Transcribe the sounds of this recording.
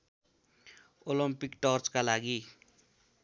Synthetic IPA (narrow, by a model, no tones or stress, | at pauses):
olʌmpikʈʌrt͡skalaɡi